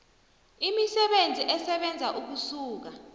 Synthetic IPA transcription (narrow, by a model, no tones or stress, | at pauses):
imisɛɓend͡zʱiʔɛsɛɓɛnd͡zʱaʔuk̬usuːk̬a